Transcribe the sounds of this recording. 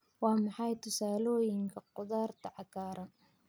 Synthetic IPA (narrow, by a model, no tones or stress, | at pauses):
wɑːmɑħɑjt̪ʊsaːloːjɪŋkʰɐqʊd̪ɑːɾt̪ʰaʕɑkaːɾɐ